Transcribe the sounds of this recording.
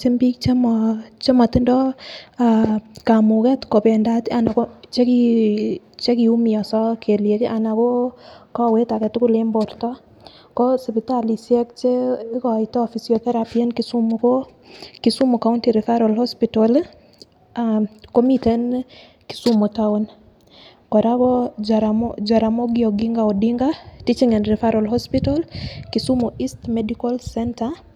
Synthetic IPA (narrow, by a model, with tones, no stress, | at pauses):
se˦mbi˦k̚t͡ʃe˦mɔt͡ʃe˦ma˨tɪ˦ndɔ˦aka˨mu˨kɛ˦tko˨pɛ˨ndata˨na˨ko˦t͡ʃe˦ki | t͡ʃe˦kiu˦mi˨ɔ˨sɔkʰe˨ljekʔa˨na˨ko˦kɔ˦we˦ta˨kɛ˨tku˦lemboɾtɔ˦ | ko˦sipitali˨sjɛ˦k̚t͡ʃe˦kɔ˨itɔ˦fisio˨θɛ˦ɾapie˦nkisu˦muko˦ | ki˨su˦mokauntiɾifa˦ɾɔlhɔspitɔl | ako˦mite˦n | ki̥su˦motaun | kɔɾa˦ɡɔ˦ɾd͡ʒa˨ɾamoɡɪɔɡiŋɡaɔ˨diŋɡatit͡ʃiŋe˨nɾi˨faɾʔɔlhɔ˦spitɔ˦lkisu˦moʔi˦stmɛdikɔ˦lsɛnta